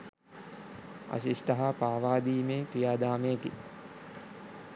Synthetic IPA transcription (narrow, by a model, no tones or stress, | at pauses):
a̰ɕiʂʈɐɦapaːʋaːd̪iːmeːkɾijaːd̪aːmejːki